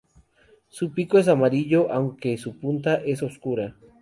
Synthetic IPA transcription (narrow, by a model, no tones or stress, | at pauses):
supikoes̬amaɾiʎoʔawŋkesupunt̪aʔe̞s̬oskuɾa